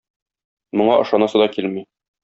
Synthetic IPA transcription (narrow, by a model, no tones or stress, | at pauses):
mŏɴɑʔɤ̆ʃɑnɑsɤd̪ɑkilmi